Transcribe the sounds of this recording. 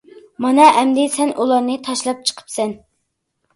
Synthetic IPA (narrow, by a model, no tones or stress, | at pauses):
mɑnɑʔɛmd̪ɪsɛnʔulˠɑɾnɨt̪ʰɑʃlˠɑp̚t͡ʃʰə̥qʰə̥psɛn